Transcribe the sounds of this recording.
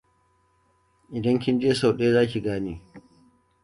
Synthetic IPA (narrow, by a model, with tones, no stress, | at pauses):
ʔɪ˨dɐ˦ŋkʲɪ˦nd͡ʒeː˦sa˨wɗeː˦zaː˦kʲi˨ɡaː˦niː˦